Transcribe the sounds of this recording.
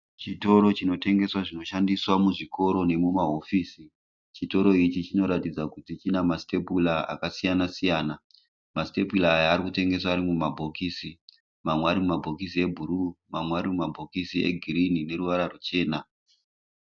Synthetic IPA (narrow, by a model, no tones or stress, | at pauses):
t͡ʃito̞ɾo̞t͡ʃino̞te̞ŋɡe̞swaʐino̞ʃandiswamuʐiko̞ɾo̞ne̞mumaɦo̞fiːsi | t͡ʃito̞ɾo̞it͡ʃit͡ʃino̞ɾatid͡zakutit͡ʃinamasi̥te̞pulaa̰kasijanasijaːna | maste̞pulaːjaːɾikute̞ŋɡe̞s̬waːɾimumabʱo̞kiːsi | mamweaɾimumabʱo̞kisie̞bʱuɾumamweaɾimumabʱo̞kisiḛɡʱiɾinine̞ɾuʋaɾarut͡ʃe̞ːna